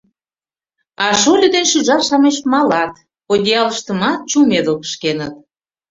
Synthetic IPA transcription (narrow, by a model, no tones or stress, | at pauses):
ɑʃolʲəd̪enʃyʒɑʃɑmeʃmɑlɑt̪ | odʲiɑləʃt̪əmɑt̪̚t͡ɕumed̪əlkə̥ʃkenət̪̚